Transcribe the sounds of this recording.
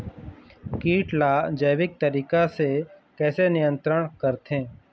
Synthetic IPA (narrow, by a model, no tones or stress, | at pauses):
kiːʈlaːd͡ʒəjʋɪk̚t̪əɾiːkasekɛːsenɪjə̃nt̪ɾəɽ̃kəɾt̪ʰẽː